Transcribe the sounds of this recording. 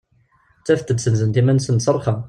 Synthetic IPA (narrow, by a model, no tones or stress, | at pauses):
t͡sːæft̪ːəd̪sənzənt̪imænsənsərˤχɑ